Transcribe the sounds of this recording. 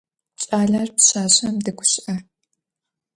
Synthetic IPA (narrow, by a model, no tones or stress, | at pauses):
ɕʼaːɮarpɕaːɕɐmdɨɡʷʊɕɪʔɐ